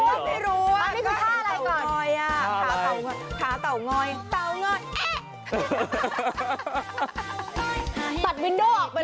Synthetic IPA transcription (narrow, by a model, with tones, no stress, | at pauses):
ma˥˩jɾuː˦˥a˧nnaː˥˩kʰɯː˧˥kʰaː˥˩˧ʔɾa˧jwkɔː˨˧˩jaː˧˩˦a˨˩ŋɔː˧˩jk̪ʰaː˨˦˥t̪a˨˩wŋɔː˧˩jt̪a˧˩wŋɔ˧˥˩jʔ | sa˨˩t̪̚wi˧˦ndoː˧˥˩ʔɔː˨˩k̚pa˧